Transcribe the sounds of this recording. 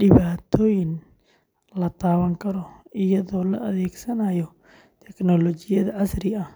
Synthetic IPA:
ɖɪβaːt̪ʰɔːjɪn | lɐt̪ʰaːβɐŋkʰɐɾɔɪjɐðɔːlɔ̰ʔɐðɛːɡsɐnaːjɔ | t̪ʰɛknɔlɔt͡ʃɪjɐðɐʕɐsɾɪɐh

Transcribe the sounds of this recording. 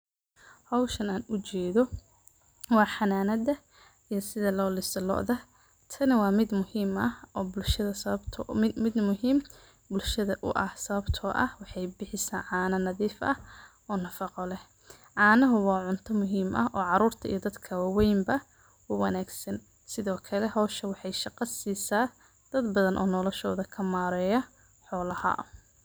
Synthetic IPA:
hɔwʃɐnaːnʊt͡ʃɛːðɔ | wɑːħɑnaːnɐd̪ɐ | ijɔsɪðɐlɔːlɪsɐlɔ̰ːʔðɐ | t̪ʰɐnɪwɑːmɪd̪mʊhiːmɐhʔɔːbʊlʃɐðɐsɐɐbt̪ʰːmɪd̪mʊɦiːm | bʊlʃɐðɐʔʊ̰ʔɐhsɐβɐbt̪ʰɔːʔɐ̰hwɑħɑjbɪħɪsa̰ːnʕɑːnɐnɐðiːfɐ̰h | ɔːnɐfɑqɔlɛh | ʕɑːnɐɦʊwɑːʕʊnt̪ʰɐmʊɦiːmʔɐhʔɔːʕɑɾuːrt̪ʰɐḭjɔd̪ɐd̪kʰɐwɑwɛjmbɐ | wʊwɐnaːɡsɐn | sɪðɔːkʰɐlɛɦɔːʃɐwɑħɑjʃɑqɑsiːsaː | d̪̥ɐd̪bɐðɐnʔɔːnɔlɔʃɔːðɐkʰɐmaːɾɛːjɐ | ħɔːlɐhɐ̰ʔ

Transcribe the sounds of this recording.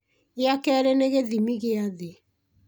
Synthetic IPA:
ɪakɛɾɛneɣeðimiɣeaðe

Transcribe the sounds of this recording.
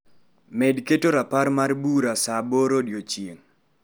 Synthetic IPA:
mɛdketoɾapaɾmarbuɾasaboɾodjot͡ʃieŋ

